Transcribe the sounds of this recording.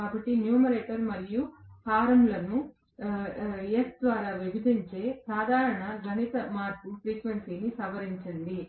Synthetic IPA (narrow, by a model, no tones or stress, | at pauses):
kaːbɐʈːinjuːmɐɾeːʈɐɾmɐɾijuhaːɾɐmlɐnu | esd̪ʋaːɾaːʋibɐd̪iɲt͡ʃe̞ːsɾaːd̪ʱaːɾɐɳɐɡʱɐnit̪ɐmaːɾpupɾiːkʋensiːnisɐʋɐɾiɲt͡ʃɐɳɖi